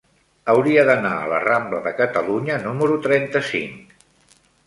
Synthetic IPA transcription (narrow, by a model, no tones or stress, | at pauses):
əwɾiəðənaə̰lə̰rambləðəkət̪əluɲənuməɾut̪ɾɛnt̪əsḭŋ